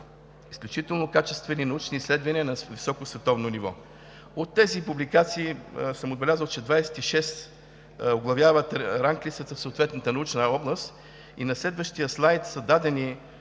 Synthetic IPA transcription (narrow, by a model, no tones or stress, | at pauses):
isklʲut͡ʃit̪ɛlˠnokat͡ʃɛst̪vɛninɐut͡ʃnislɛd̪vɐniənɐvisɔkosvɛt̪ɔvnonivɔ̰ | ot̪ːɛzipublikat̪siːsəmod̪bɛlʲazəlˠt͡ʃɛd̪vajsɛ̥t̪iʃɛst̪ | oɡlˠɐvjavət̪ɾaŋklit̪sət̪əfsoːt̪vɛt̪nət̪ənɐut͡ʃnəɔblˠəst̪ | inɐslɛd̪vəʃt̪ijəslˠajt̪səd̪ad̪ɛni